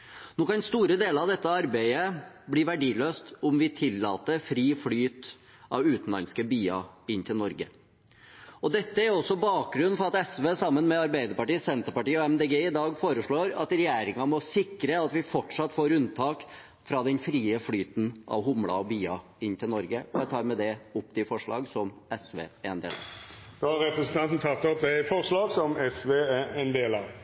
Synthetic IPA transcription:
noːkɑnst̪uːɾəd̪eːləɾɑʋd̪ɛt̪ːəɑɾbæɪə | bliːʋæɖiːløːst̪ʊmʋɪt̪ʰɪlːɑːt̪əfɾiːflyːt̪ | ʔɑ̰ʋʉːt̪n̩lɑ̰nskəbiːɑ̰ɪnːt̪ʰɪlnɔɾɡə | ɔd̪ɛt̪ːəæɾɔsːɔbɑːk̚ɡɾʉnːfɔɾɑt̪ɛsʋeːsɑmːənmɛɑɾbæɪd̪əɾpɑʈiːsɛnt̪əɾpɑʈiːɔɛmd̪eːɡeːɪd̪ɑːɡfoːɾəʂɭoːɾɑ̰t̪ɾɛjæːɾɪŋɑmɔsɪkɾəɑt̪ʋɪfɔʈʂɑt̪ːfoːɾʉnt̪ʰɑːk | fɾɑd̪ɛnfɾiːəflyːt̪nʔɑ̰ʋɦʊmɽɑ̰ɔbyːɑ | ɪnːt̪ʰɪlnɔɾɡəɔjæɪt̪ʰɑːɾmɛd̪ɛʊp̚ːd̪ɪfɔʂɭɑ̰ːɡsɔmɛsʋḛːæɾɛnd̪ḛːlɑ̰ʋd̪̥oːhɑɾɾɛpɾəsənt̪ɑnt̪n̩t̪ʰɑt̪ːɔp̚d̪ɛɪfɔʁʂɭɑːɡsɔmɛsʋeːæɛnd̪eːlɑʋ

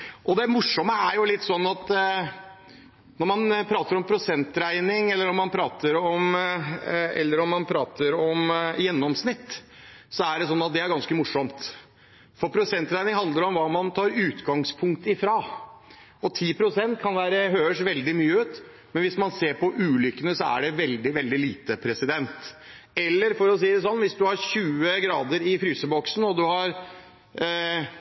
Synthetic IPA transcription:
ʔɔd̪ɛmʊʂɔməæɾjʊlɪt̪ːsɔnːɑt̪ | nɔɾmɑnpʰɾɑːt̪əɾɔmpʰɾʊsɛnt̪ɾæɪnɪŋɛlːəɾɔmːɑnpʰɾɑːt̪əɾɔm | ɛ̰lːəɾɔmːɑnpʰɾɑːt̪əɾɔmjɛnːɔmsnɪt̪ː | sɔæɖɛsɔnːɑt̪̚d̪ɛæɾɡɑnskəmʊʂːɔmt̪ | fɔɾpʰɾʊsɛnt̪ɾæɪnɪŋhɑnd̪əɾɔmʋɑːmɑnt̪ʰɑːɾʉːt̪ɡɑŋspʰʊŋk̚t̪ɪfɾɑː | ɔt̪ʰiːpʰɾʊsɛnt̪kʰɑnʋæːɾəɦøːəʂʋɛld̪ɪmyːəʉːt̪ | mɛnʋɪsmɑnseːɾpʰɔʔʉːlʏkːənəsɔæ̰ɖɛʋɛld̪ɪʋɛld̪ɪliːt̪əpʰɾɛsɪd̪ɛnt̪ | ɛlːəɾfɔɾɔs̬iːd̪ɛs̬ɔnːʋɪsd̪ʉhɑɾɕʉːəɡɾɑːd̪əɾɪfɾyːsəbɔksn̩ɔd̪ʉhɑɾ

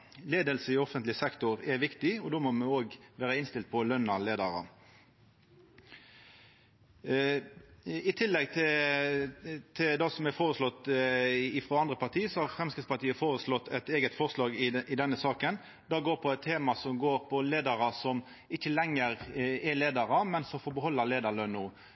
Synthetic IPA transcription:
leːd̪əlsəɪɔfənt̪lɪsɛkt̪ʊʁɛʋɪkt̪ɪɔd̪oːmɔmɛoːɡʋæːɾəɪnst̪ɪlt̪̚pʰɔlœnːɑleːd̪əʁɑ̰ | ɪt̪ʰɪlːɛɡt̪ʰɪ | t̪ʰɪd̪ɑsɔmɛfoːʁəslɔt̪ː | ɪfɾoːɑnd̪ʁəpʰɑʁt̪ʰiːsɔhɑʁfɾɛmskɪt̪spɑt̪ʰiːəfoːɾəslɔt̪ʰːɛt̪eːɡət̪fɔʁslɑːɡɪʔɪd̪ɛnːəsɑːkən | d̪ɑːɡoːɾpʰɔɛt̪ʰːeːmɑsɔmɡoːɾpʰɔleːd̪əɾɑsɔm | ɪçəlɛŋːəɾɛleːd̪ɑʁɑmɛnsɔmfɔɾbəhɔlːəɾleːd̪ɑɭœnːuː

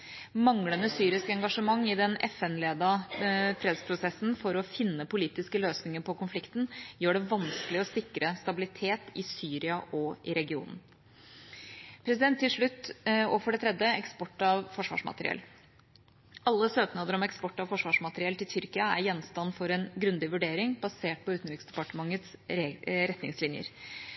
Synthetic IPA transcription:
mɑŋlənəsyːɾɪskəɛŋɡɑʂəmɑŋːɪd̪ɛnʔɛfɛnleːd̪ɑfɾeːd̪spʰɾʊsɛsn̩fɔɾɔfɪnːəpʊliːt̪ɪskəløːsnɪŋəpʰɔkʊnflɪkt̪n̩jøːɖɛʋɑnskəlɪɔsɪkːɾəst̪ɑbɪlɪt̪ʰeːt̪ɪsyːɾɪɑʔɔɪɾɛɡɪṵːnn̩ | pʰɾɛsɪd̪ɛnt̪ːɪlʂɭʉt̪ːo̰ːʋəfɔɖɛt̪ʰɾɛd̪ːəɛkspɔʈːɑʋfɔʂʋɑ̰ːʂmɑ̰t̪əɾɪ̰ɛ̰l | ɑlːəsøːknɑːd̪əɾɔmɛkspɔʈːɑʋfɔʂʋɑːʂmɑt̪əɾɪɛlt̪ɪlt̪ʰʏɾkɪɑæ̰ɾjɛnːst̪ɑnːfɔɾɛnɡɾʉnd̪ɪʋʉɖeːɾɪŋbɑseːʈ̚pɔʉːt̪nɾɪːksd̪ɛpɑʈəmɑŋːət̪s | ɾɛt̪nɪŋslɪnjə̰ɾ

